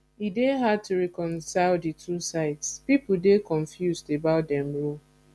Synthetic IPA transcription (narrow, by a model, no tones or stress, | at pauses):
ideɦad̚tʰuɹɛkɔ̃nsaɪlditʰusaɪtspipʊdekɔ̃ɱfjusdebaʊt̚dɛ̃mɹo